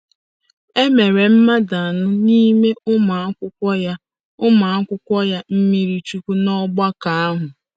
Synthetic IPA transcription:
e˦me˨ɾe˨m̩˦ma˦da˨a˨nʊ˦ni˦me˦ʊ˦ma˨˦kʷʊ˦kʷɔ˦ja˦ | ʊ˦ma˨a˦kʷʊ˦kʷɔ˦ja˦m̩˦mi˦ɾi˦t͡ʃu˦kʷu˦nɔ˦ɡ͡ba˦ka˨a˦ɦʊ˨

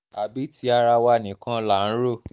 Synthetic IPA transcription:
a˨bi˨˦ti˦a˧ɾa˧wa˧˨nĩ˨˦kã˦la˦˨n̩˦ɾo˦˨

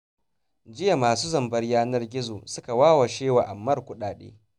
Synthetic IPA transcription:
d͡ʒɪ˦ja˨maː˨suː˦zɐ˨mbɐ˦rjaː˦nɐ˦rɡʲɪ˦zoː˨sʊ˦ka˨waː˦wa˨ʃeː˦wa˨ʔa˨mːɐ˦rkʷʊ˦ɗaː˨ɗḛː˦

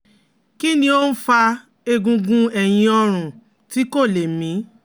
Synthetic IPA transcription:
ki˦nĩ˧˦o˦n̩˦fa˧ | e˧ɡũ˧ɡũ˧ɛ˨j̃ĩ˧ɔ˧ɾ̃ũ˨ | ti˦ko˦˨le˨mĩ˨˦

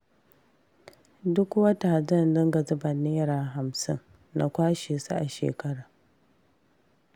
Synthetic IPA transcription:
dʊ˦kwɐ˦ta˨d͡ʒɐ˦˨ndɐ˦ŋɡa˨zʊ˦bɐ˨neː˦ɾaː˨ɦa˨msɪ˦nː | a̰˨kʷaː˦ʃeː˨su˦ʔa˨ʃḛː˨kɐ˦ɽaː˨

